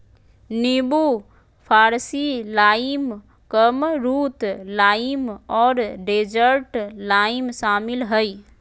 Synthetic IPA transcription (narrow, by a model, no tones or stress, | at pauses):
nibu | pʰaːɾsilaːim | kəmɾuːt̪laːimɔːɾɖeːd͡ʒəɾʈlaːimʃaːmɪlɦəi